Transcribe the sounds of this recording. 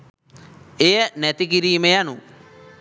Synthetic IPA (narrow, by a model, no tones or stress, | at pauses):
ejənɛt̪ikiɾiːmejanu